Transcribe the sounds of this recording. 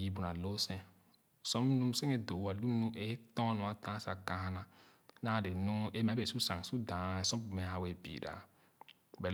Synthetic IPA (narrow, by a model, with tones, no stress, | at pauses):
ji˨bu˨na˨lo˦sẽ˦˨ | so˦m˦nu˦m˦se˦ŋe˦do˨˦a˨lu˦nu˦e˦tɔ̃˦nũ˨a˦tã˦sa˨ɡã˨ha˦na˨ | na˦˨de˨nu˦e˦m˨˦e˨su˦sa˨ŋ˨su˦dã˨˦˨sɔ˦m˦bu˨me˨ha˨we˨bḭ˨ɾa̰˨ | be˨